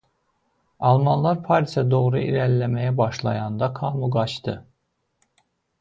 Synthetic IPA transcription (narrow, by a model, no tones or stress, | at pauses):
ɑlˠmɑnlˠɑɾpʰɑɾisæd̪o̞ʁɾuḭɾællːæmæjæbɑʃlˠɑ̰jɑnd̪ɑkʰɑːmuɡɑt͡ʃt̪ɯ